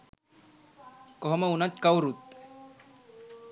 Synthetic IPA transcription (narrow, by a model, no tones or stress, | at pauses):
kɔɦɔmaunat̪kawɾut̪